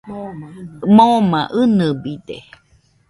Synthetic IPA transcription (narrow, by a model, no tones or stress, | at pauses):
mõmãʔɨnɨbidḛ